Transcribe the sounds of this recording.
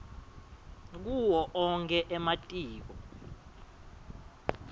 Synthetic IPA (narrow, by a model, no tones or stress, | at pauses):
k̬uwɔʔɔŋkʰɛʔɛmatʼiːk̬ɔ